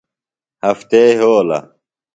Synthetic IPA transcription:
hɐft̪eɦoːlɐ̰

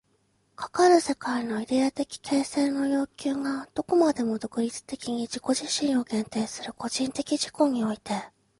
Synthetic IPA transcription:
kʰḁkaɾɯse̞kaino̞id̪e̞at̪e̞kʲi̥kʰe̞ːse̞no̞jo̞ːkʲɨːŋad̪̥o̞ko̞mad̪e̞mo̞d̪o̞kɯ̟ɾʲit͡sɨ̥t̪e̞kʲiɲ̟id͡ʑiko̞ʑiɕĩɰ̃o̞ɡẽ̞nt̪e̞ːsɨɾɯ̟ko̞ʑĩnt̪e̞kʲiʑiko̞ɲ̟io̞it̪e̞

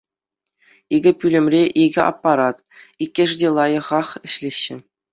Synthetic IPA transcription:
iɡʲɘ̆pʲylʲɘ̆mrʲeʔiɡʲɘ̆ʔɑ̰pːɑɾɑt̪ | ikʲːɘ̆ʐdʲelˠɑjɤ̆ʁɑχɘ̆ɕlʲeɕːɘ̆

